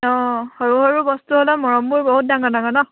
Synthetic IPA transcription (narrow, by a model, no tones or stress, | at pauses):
ɔhɔɹuɔɹubɔstuɦɔlamɔɹɔmbuɹbɔɦut̚daŋɡanaŋɡɔnɔ